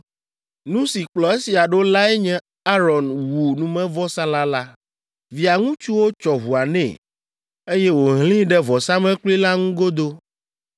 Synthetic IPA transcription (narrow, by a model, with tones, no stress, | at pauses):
nũ˦si˨k͡plɔ˨e˦si˨a˨ɖo˦la˦ɛ˦ɲɛ̃˦ | a˦ɾɔ˨nwu˨nũ˨mɛ̃˦vɔ˦sã˦la˦la˦ | vi˨a˨ŋũ˦t͡ʃu˦wo˦t͡ʃɔ˨ɦu˨a˨nɛ̰̃˦˨ | e˦jɛ˦wo˨ɦlĩ˦ɖɛ˦vɔ˨sã˦mɛ̃˦k͡pli˦la˦ŋũ˦ɡo˦d̪o˦